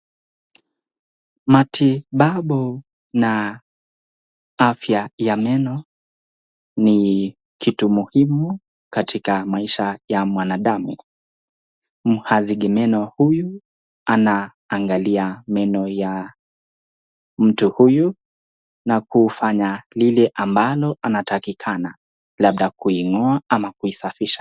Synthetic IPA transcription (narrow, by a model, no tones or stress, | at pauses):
matʰiɓaɓu | na | afjajamɛnɔ | ni | kʰitumuhimu | katʰikamaiʃajamwanaɗamṵ | m̩haziɠɛmɛnɔhuju | anaː | ŋɡaliamɛnɔja | m̩tuhuju | nakufaɲalilɛʔambalɔʔanatakikʰana | laɓ̚ɗakuiŋɔaamakuisafiʃḁ